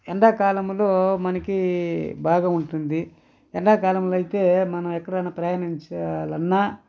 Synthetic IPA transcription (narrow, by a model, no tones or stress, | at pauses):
ɛɳɖaːkaːlɐmlo̞ːmɐnɐkibaːɡaːuɳʈund̪i | ɛɳɖaːkaːlɐmloːɐjit̪e̞ːmɐnɐmɛkːɐɽaːnɐpɾɐjaːniɲt͡ʃɐlɐnːaː